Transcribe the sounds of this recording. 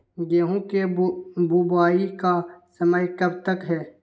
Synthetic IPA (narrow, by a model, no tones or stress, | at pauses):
ɡeːɦũkebubaːikasəməjkəb̚t̪əkɦɛː